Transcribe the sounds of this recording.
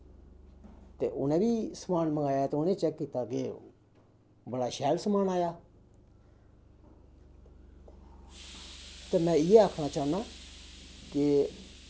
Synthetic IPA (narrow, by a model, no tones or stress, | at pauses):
t̪ḛːʔʊ̰nẽːbiːsəmaːnməɡaːjaːt̪eːʊnẽːt͡ʃɛkːiːt̪aːkḛː | bəɽaːʃɛːlsəmaːnaːjaː | t̪eːmɛ̃ːɪeːaːkʰnaːt͡ʃaːnd̪aː | ke